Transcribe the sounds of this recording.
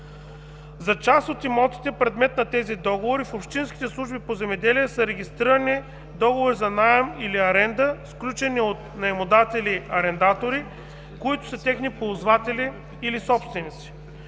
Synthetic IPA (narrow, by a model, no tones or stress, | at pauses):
zɐt͡ʃasot̪imɔt̪i̥t̪ɛpɾɛd̪mɛt̪nɐt̪ɛzid̪ɔɡovoɾifopʃt̪insk̟ʲi̥t̪ɛslˠuʒbipozɛmɛd̪ɛliɛsəɾɛɡʲist̪ɾiɾɐni | d̪ɔɡovoɾizɐnajɛmiliɐɾɛnd̪əsklʲut͡ʃɛniot̪̚nɐɛmod̪at̪ɛliɐɾɛnd̪at̪oɾi | koit̪ʊ̥sɐt̪ɛxnipozvat̪ɛliː | lisɔpst̪vɛnit̪si̥